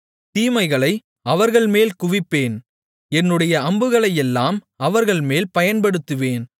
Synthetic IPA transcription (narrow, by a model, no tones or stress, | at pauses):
t̪iːmɐɪɣɐɭɐɪ | ɐʋɐɾɣɐɭmeːlkʊʋɪpːeːn | ɛnːɯɽɐjɐɐmbɯɣɐɭɐjɛlːaːm | ɐʋɐɾɣɐɭmeːlpɐjɐnpɐɽɯt̪ːɯʋeːn